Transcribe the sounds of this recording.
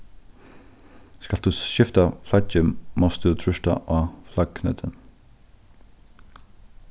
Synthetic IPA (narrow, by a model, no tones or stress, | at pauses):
skɑld̪̥uːʃɪft̪aflɑcəmɔst̪uːt̪ʰɹʏʃta̰ʔaːflɑɡkʰnœ̰ːt̪ʰən